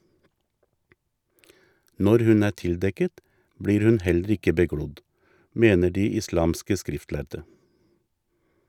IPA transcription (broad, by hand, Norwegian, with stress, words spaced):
ˈnɔɾ ˈhʉn ˈæː ˈtɪlˌdɛkət ˈbɽiːɾ ˈhʉn ˈhɛlɾ̩ ˈɪkə bəˈɡɽʊd ˈmeːnə ˈɖiː ɪˈslɑːmskə ˈskɾɪftˌlæɾdə